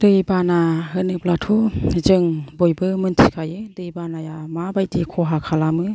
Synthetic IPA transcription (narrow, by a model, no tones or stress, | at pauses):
d̥ɯjbanaɦɯnɯp̚latʰuzɯŋbojbɯmɯntʰikʰajɯdɯjbanajamabajdikʰɔɦakʰalamɯ